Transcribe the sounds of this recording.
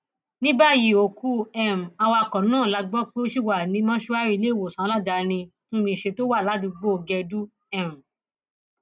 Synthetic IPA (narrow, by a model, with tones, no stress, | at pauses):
nĩ˦ba˦ji˨o˨ku˧˦ɛ˦˨m̩˨a˧wa˧kɔ˨nãː˦˨la˨˧ɡ͡bɔ˦k͡pe˦ʃi˦˨wa˨nĩ˨˧˦mã˦ʃo˧˦a˦ɾi˦˧le˦˨wo˨sã˨˦la˦da˧nĩ˧ | tũ˦mĩ˧˨ʃe˧to˦wa˦˨la˨˦dũ˧ɡ͡bo˦o˧ɡɛ˧du˦ | ɛ˦˨m̩˨